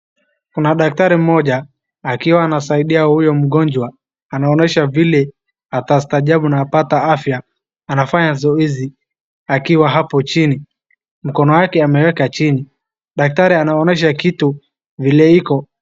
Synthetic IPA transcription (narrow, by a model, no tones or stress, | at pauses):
kunaɗak̚taɾim̩mɔʄaː | kiwaːnasaiɗiahujɔm̩ɠɔnd͡ʒwa | anaɔnɛʃavilɛ | atastaʄaɓunaːpataafjaː | nafaɲazɔizi | akiwaɦapɔt͡ʃini | m̩kɔnɔjakɛamɛwɛkat͡ʃini | ɗak̚taɾianaɔnɛʃ̬akitu | vilɛikɔ